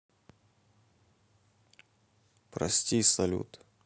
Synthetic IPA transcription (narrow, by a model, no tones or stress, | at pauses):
pɾɐ̰sʲtʲijsɐlʲṵt̪